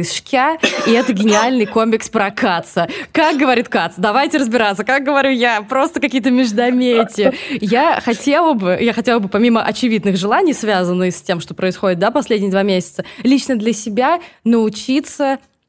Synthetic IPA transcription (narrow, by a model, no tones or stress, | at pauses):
ɪsʂkʲaiɛt̪əɡʲɪnʲɪalʲnɨjkomʲɪkspɾɐkat̪səkak̚ɡəvɐɾʲit̪kat̪sd̪ɐvajtʲɪɾəzbʲɪɾat̪səkak̚ɡəvɐɾʲujapɾo̞st̪əkɐkʲijət̪əmʲɪʐd̪ɐmʲetʲɪjaxɐtʲelˠəbɨjaxɐtʲe̞lˠəbɨpɐmʲiməʔɐt͡ɕɪvʲid̪nɨxʐɨlˠanʲɪjsvʲazənːɨxsʲtʲemʂt̪opɾəɪsxo̞dʲɪt̪d̪apɐsʲlʲedʲnʲɪjəd̪vamʲesʲɪ̥t̪səlʲit͡ɕnəd̪lʲəsʲɪbʲanəʊt͡ɕit̪sə